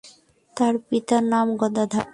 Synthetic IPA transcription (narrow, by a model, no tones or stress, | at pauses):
t̪aɾpit̪anamɡɔd̪ad̪ʱa